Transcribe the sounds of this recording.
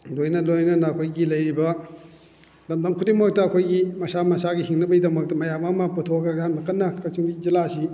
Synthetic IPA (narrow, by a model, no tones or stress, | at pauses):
lojnɐlojnɐnɐːkʰojɡilɐjɾibɐ | lɐmdɐmkʰutimok̚tɐːkʰojɡimɐsamɐsaɡihiŋnɐbɐjdɐmɐk̚tɐmɐjamamɐputʰoɡɐjamnɐkɐnːɐkʰɐsiŋɡizilasi